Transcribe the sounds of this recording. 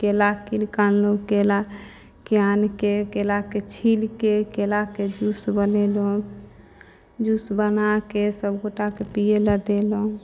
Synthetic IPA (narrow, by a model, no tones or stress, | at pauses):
kelakinkanlokela | keankekelaket͡ʃʰilkekelaked͡ʒusbənelo | d͡ʒusbənakesəbɡoʈakepijeləd̪elo